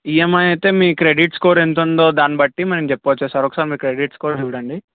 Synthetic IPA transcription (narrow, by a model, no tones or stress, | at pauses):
ijemɐjɐjt̪e̞ːmiːkɾeɖiʈskoːɾent̪̬und̪o̞ːd̪aːnibɐʈːimɐnɐmt͡ʃepːot͡ʃːuːsaːɾokːɐ̥saːɾimiːkɾeɖiʈskoːɾiʋuɽɐɳɖi